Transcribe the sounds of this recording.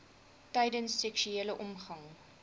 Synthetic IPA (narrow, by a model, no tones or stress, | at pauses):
tɛjdənsːɛkʃyeːləʔɔmχɐŋ